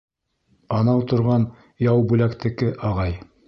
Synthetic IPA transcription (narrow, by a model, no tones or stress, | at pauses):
ɑnɑwt̪ŏɾʁɑn | jɑwbʉlækt̪ɘ̆kɘʔɑʁɑj